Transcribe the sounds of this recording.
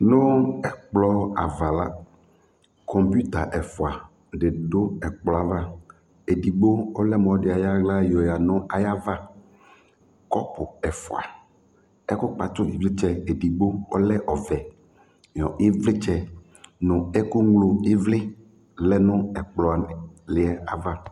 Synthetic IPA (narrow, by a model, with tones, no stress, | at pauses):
nʊ̃˦ɛ˨k͡plɔ˦a˨va˨la˦ | kʰɔ˨mpu˦t̪a˨ʔɛ˨fɔ˨a˨ | ɖe˨ɖo˦ɛ˨k͡plɔ˨a˨va˦ | e˨di˨ɡ͡bo˦ɔ˦lɛ˦mɔ̃˨˦ɖe˨a˨ja˦ɡla˦jɔ˨ja˨nɔ̃˦a˨ja˦va˦ | kɔ˦pʊ˨ɛ˨fɔ˨a̰˨ | ɛ˦kʊ˦k͡pa˨t̪o˦vi˨vle˦t͡ʃɛ˦e˨di˨ɡ͡bo˦ɔ˦lɛ˦ʔɔ˨vɛ˨ | jɔ˨ʔe˦vle˦t͡ʃɛ˦ | nɔ̃˨ɛ˦ku˦ŋlo˨e˦vle˦ | lɛ˦nʊ̃˦ɛ˨k͡plɔ˨a˨nɛ˨le˨ɛ˦a˨va˦